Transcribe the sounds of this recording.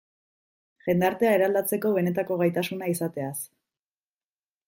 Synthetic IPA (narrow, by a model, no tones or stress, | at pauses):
ʝe̞nd̪aɾt̪e̞aeɾald̪at͡se̞ko̞β̞e̞ne̞t̪̬ako̞ɣajt̪asunaisat̪e̞as